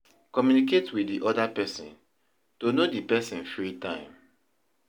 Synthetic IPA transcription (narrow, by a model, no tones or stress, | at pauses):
kɔmjuniketwidiʔɔdapɛsɔ̰̃n | tonodipɛsĩnfɹitãɪ̃m